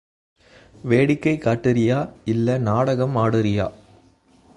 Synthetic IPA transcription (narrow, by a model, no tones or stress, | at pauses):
ʋeːɽɪkːɐɪkaːʈːɪɾɪjaːɪlːɐnaːɽɐɣɐmaːɽɯɾɪja̰ː